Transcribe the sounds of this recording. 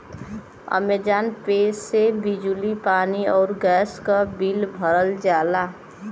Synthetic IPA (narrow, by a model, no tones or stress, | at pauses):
ə̰meːd͡ʒaːnpeːsːebid͡ʒulipaːniɔːɾɡɛːskabilbʱəɾəld͡ʒaːla